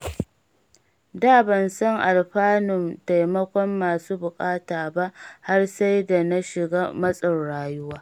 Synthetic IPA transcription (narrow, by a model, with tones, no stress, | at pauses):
daː˦˨bɐ˨nsɐ˦ŋʔa˨lɸaː˦nʊ˨mta˨jmɐ˦kʷɔ˦mːaː˨suː˦bʊ˨kʼaː˦taː˨ba˦ʔha˦rsa˦jda˨na˦ʃɪ˨ɡaː˦mɐ˦sʼɐ˨nɽaː˨jʊ˦waː˦